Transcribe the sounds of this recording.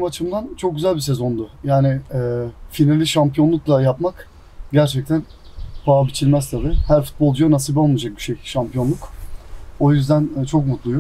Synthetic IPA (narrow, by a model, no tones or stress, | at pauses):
imat͡ʃʰɯmd̪ant͡ʃʰok̚ɟyzælʲbis̬e̞zo̞nd̪ʊjaːnɪː | finalʲiʃampʰijo̞nˠuklˠajapmak | ɟæɾt͡ʃʰɛc̚t̪ʰæn | pʰaabit͡ʃʰilʲmɛst̪ʰabihæɾfu̥t̪̚bolˠd͡ʒɯanasibaonˠud͡ʒak̚biʃejʃampʰijo̞nlˠuk | o̞jyzd̪ænt͡ʃʰo̞kmut̪lˠujo